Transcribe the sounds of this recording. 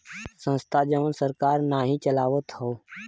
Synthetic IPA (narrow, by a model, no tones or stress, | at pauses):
sə̃nst̪ʰad͡ʒəʋənsəɾkaːɾnaɦit͡ʃəlaːʋət̪ho